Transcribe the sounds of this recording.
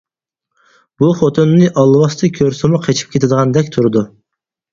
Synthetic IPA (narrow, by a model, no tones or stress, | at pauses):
b̥uχot̪ʰunːɨʔɑlˠwɑst̪ʰɨkʲʰøɾsɪmʊqʰet͡ʃʰi̥p̚kʲet̪ʰɪd̪əʁɑnd̪ɛkʲt̪ʰuɾɨd̪u